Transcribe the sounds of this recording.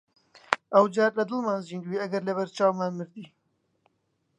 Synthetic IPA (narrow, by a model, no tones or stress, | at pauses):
ʔɐwd͡ʒaːɾlɐd̪ɨlmaːnziːnd̪wiːɐɡɐɾlɐβɐɾt͡ʃaːwmaːnmɨɾd̪iː